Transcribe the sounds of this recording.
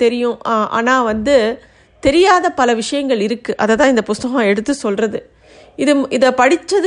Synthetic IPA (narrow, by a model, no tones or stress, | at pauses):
t̪ɛɾɪjʊ̃ʔa̰ːnaːʋɐnd̪ɯ | t̪ɛɾɪjaːðɐpɐlɐʋɪʂɐjɐŋɡɐɭɪɾɯkːɯʔɐðɐt̪ːãːɪnd̪ɐpʊst̪ɐɣɐ̃ɛɽɯt̪ːɯsɔlrɐðɯ | ɪðɯʔɪðɐpɐɽɪt͡ʃːɐð